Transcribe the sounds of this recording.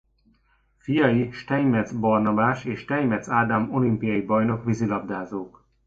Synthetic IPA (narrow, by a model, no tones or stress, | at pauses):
fijɒjiʃt̪ɛjmɛd̪zbɒrnɒbaːʃeːʃt̪ɛjmɛt̪zaːd̪amo̞limpijɒjibɒjno̞kʋizilɒbd̪aːzoːk